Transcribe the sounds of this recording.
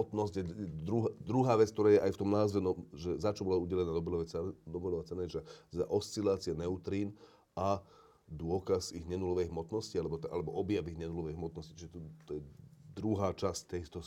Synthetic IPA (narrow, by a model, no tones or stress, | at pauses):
ɔt̪nɔsɟjɛɛd̪ɾuɦd̪ɾuɦaːʋɛt͡sk̚t̪ɔɾaːjɛʔajft̪ɔmnaːzʋɛnɔʒɛzat͡ʃɔbɔlauɟɛlɛnaːd̪ɔblɔʋɛd̪ɔbɛlɔʋat͡sɛnɛd͡ʒaa̰ʔɔst͡silaːt͡siɪɛnɛʊt̪ɾiːn | a | d̪ʊɔkasiɣɲɛnulɔʋɛjɦmɔt̪nɔscialɛbɔt̪a̰lɛbɔʔɔbjaʋiɣɲɛnulɔʋɛjɦmɔt̪̚nɔsci̥t͡ʃiʒɛt̪t̪ɔjɛd̪ɾuɦaːt͡ʃasct̪ːɛt̪ɔ